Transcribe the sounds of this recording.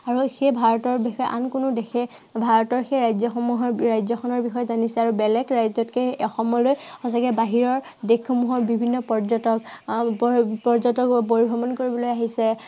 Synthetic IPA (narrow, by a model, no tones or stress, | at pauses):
aɹuxebʱaɹɔtɔɹbixɔjɛʔa̰nkʊnʊdexʰɛ | bʱaɹɔtɔɹxejɹajzɔxɔmuɦɔɹɹajzɔkʰɔnɔɹbixɔjɛzanisɛaɹubɛlɛkɹajzɔtkɛɔxɔmːɔlojxɔsakɛbaɦiɹɔɹ | dekʰːɔmuɦɔɹbibʱinːɔpɔɹzɔtɔk | pɔɹzɔtɔkpoɹibʱɔbɔnkoɹibɔlojaɦisɛ